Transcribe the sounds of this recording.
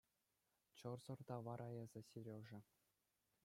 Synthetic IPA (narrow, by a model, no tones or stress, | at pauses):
t͡ɕɤ̆rzɤ̆rd̪ɑʋɑɾʔɑjɤzʲɘ̆sirʲeʐɘ̆